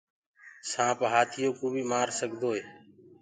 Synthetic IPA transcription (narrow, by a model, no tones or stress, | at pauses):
sãːpɦaːt̪ʰɪjoːkoːbiːmaːɾsəɠʱd̪ʱoːɦeː